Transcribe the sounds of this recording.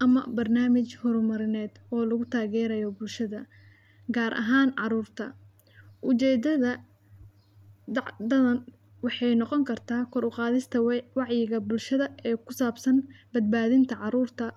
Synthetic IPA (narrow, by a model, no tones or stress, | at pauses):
ʔɐmɐ̰bɐrnaːmɪt͡ʃhɔɾmɐɾɪnɛːd̪ɔːlɐɣʊt̪ʰaːɣɛːɾɐjɔbʊlʃɐðɐ | ɡaːɾʔɐ̰ɦaːnʕɑɾuːrt̪ʰɐ̰ | ʔʊt͡ʃɛːd̪ɐðɐ | d̪ɑʕd̪ɐðɐn | wɑħɑjnɔqɔŋkʰɐrt̪ʰaːkʰɔɾʊqaːðɪst̪ʰɐwɑʕjɪɣɐbʊlʃɐðɐɛːkʰʊsaːbsɐnbɐd̪̚baːðɪnt̪ʰɐʕɑɾuːrt̪ʰɐ